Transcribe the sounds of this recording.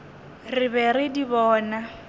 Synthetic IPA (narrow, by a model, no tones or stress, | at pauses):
rɪβɛɾɪdiβɔːna